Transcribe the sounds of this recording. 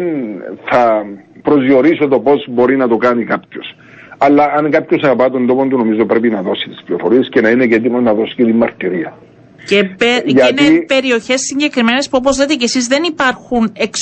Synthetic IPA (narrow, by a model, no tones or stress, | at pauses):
nθɐ | pɾo̞zjio̞ɾisot̪o̞po̞zbo̞ɾinɐt̪o̞kanikapços | ɐlːɐːŋkapçosɐɣɐpɐt̪o̞nd̪o̞pond̪unomizopɾe̞pinɐðo̞sit̪i̥spliofo̞ɾiesce̞nɐine̞cet̪̬imonɐðo̞si̥cet̪imːɐɾt̪iɾiɐ | cepeʝɐinepe̞ɾio̞çe̞sːiɲɟe̞kɾime̞ne̞spuop̬o̞zlet̪ecesizðe̞nipɐɾxune̞ks